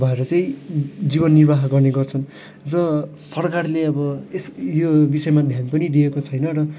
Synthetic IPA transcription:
bʱʌeɾʌt͡sʌĩd͡zibʌnːirbʱaɦɡʌrneɡʌrt͡sʰʌn | rʌsʌrkarleʌbʌesjobisʌjmad̪ʱjanpʌnidiekot͡sʰʌjnʌɾʌ

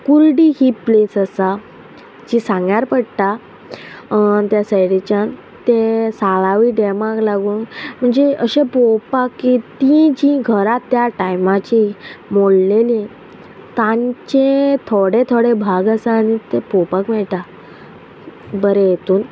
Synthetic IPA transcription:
kulɖiɦiplesəsa | d͡ʑisãŋɡjaɾpəɽt̪a | t̪jasajɽit͡ɕan | t̪esaɭaʋiːɖemãklaɡũːnm̤əɳd͡zeəɕepopakːit̪ĩd͡ʑĩɡʱəɾat̪ːjaʈajmat͡ɕimoɽleli | t̪ãɲt͡ɕẽt̪ʰoɽet̪ʰoɽebʱaɡəsaːñit̪epopakmɛɭʈ̪a | bəɾejet̪uːn

